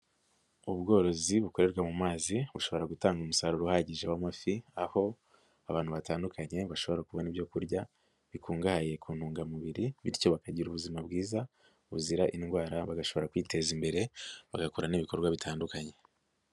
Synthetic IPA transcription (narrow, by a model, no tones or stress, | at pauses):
uβɡo̞ːɾo̞ziβuko̞ɾe̞ɾɡwamumaːziβuʃo̞βo̞ɾaɡutaːŋɡumusaɾuɾuhaɟiʒewamafiaho̞ | aβaːnhuβataːndukʰaɲe̞βaʃo̞βo̞ɾakuβo̞niβjo̞kuɾɟa | βikʰuːŋɡahaje̞kʰuːn̥huːŋɡamuβiɾiβḭɾco̞βakaɟiɾuβuzimabɡiːza | βuziɾaʔinɡwaːɾaβaɡaʃo̞βo̞ɾakwiːte̞zimbe̞ɾe̞βaɡakuɾaniβiko̞ɾɡwaβitʰaːndukaɲe̞